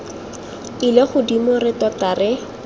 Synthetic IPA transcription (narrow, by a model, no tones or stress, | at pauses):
ileχʊdimʊrɪtɔtarɪ